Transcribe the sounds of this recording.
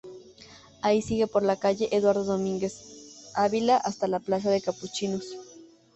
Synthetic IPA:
aisiɣe̞po̞ɾlakaʝe̞ʔeðwaɾðo̞ðo̞mĩŋɡe̞saβilaʔast̪alaplas̬aðe̞kaput͡ʃinos

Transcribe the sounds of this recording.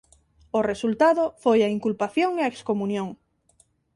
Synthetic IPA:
ʊresult̪aðʊfojaiŋkulpaθjõŋeaekskomũnjõŋ

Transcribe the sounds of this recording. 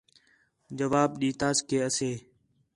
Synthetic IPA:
d͡ʒəʋaːbɗiːt̪aːskeːəseː

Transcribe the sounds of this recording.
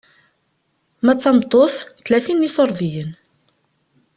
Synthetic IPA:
mæt͡sːɑmt̪ˤːoθθlæθinːisoɾˤðijən

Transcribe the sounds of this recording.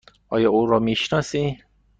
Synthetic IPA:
ʔɒ̰ːjɒːuːɾɔːmiʃnɒːsi

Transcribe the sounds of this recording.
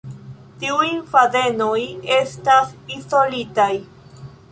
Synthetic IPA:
tiujfaze̞no̞je̞stasiso̞litaj

